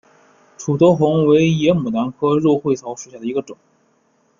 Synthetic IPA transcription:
ʈ͡ʂʰu˨˩t̪ɔ˧˥ʊxʊ˧˥ŋwe˧˥ɪjɛ˧˥mu˨˩na˧˥nkʰɤ˥ɻɔ˥˧xwe˥˩ɪt̪ʰɑ˧˥ʊʂu˨˩ɕja˥˩d̪ə˩i˧˥ɡə˧ʈ͡ʂʊ˨˩˦ŋ

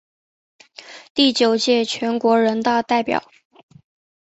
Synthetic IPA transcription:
t̪i˥˩t͡ɕjo˨˩ʊt͡ɕjɛ˥˩t͡ɕʰɥɛ˧˥nkwɔ˧˥ɻə˧˥nt̪ɑ˥˧ʊt̪a˥˩ɪpjɑ̰˨˩˦ʊ

